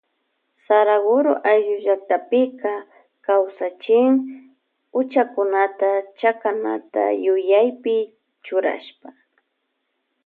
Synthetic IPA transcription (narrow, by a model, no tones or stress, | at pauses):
saɾaɡʊɾoʔaʒʊʒak̚t̪apɪka | kawsat͡ʃɪŋ | ʊt͡ʃakʊnat̪at͡ʃakana̰t̪a̰jʊjajpɪ | t͡ʃʊɾa̰ʃpa